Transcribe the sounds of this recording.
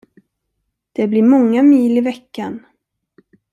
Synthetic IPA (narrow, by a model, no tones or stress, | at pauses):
d̪̥ɛblɪmɔŋːamiːlɪvɛkːan